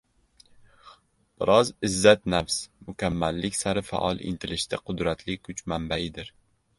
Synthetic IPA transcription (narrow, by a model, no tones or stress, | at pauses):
b̥ɪɾɒzɪzːat̪nafsmʊkʲʰamːalːɪkʲsaɾɪfa̰ʔɒlˠʔɪ̰nt̪ʰɪlɪʃt̪ʰaqʰʊd̪ɾat̪ʰlɪkʰʊt͡ʃmambaɪd̪ɪɾ